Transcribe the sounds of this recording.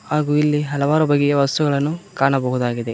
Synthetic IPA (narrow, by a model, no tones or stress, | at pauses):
haːɡuːilːiɦɐlɐʋaːɾubɐɡɛɡeʋɐst̪uɡɐɭɐnːukaːɳɐbɐɦud̪aːɡid̪e̞